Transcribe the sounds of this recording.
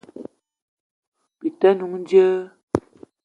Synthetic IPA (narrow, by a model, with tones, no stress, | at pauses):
pi˨tə˦nu˨˦ŋn˦djə˦